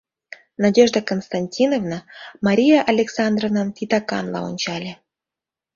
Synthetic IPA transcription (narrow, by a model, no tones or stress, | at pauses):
nadʲeʐd̪əkonst̪anʲtʲinovnəmɑɾʲijaʔalʲeksɑnd̪rovnənt̪ʲit̪ɑkɑ̰nlɑ̰o̰nʲt͡ɕɑlʲĕ